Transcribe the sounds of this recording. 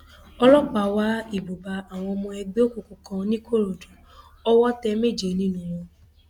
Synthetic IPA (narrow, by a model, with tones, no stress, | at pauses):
ɔ˧lɔ˦k͡pa˨wa˦i˦˨bo˨ba˧a˨w̃ɔ̃˧ɔ˧mɔ̃˧ɛ˧ɡ͡be˦o˦ko˨ku˨kã˧nĩ˦ko˦˨ɾo˨do˨ | ɔ˦wɔ˦tɛ˧˦me˦˨d͡ʒe˨˦nĩ˦nũ˦wɔ̃˧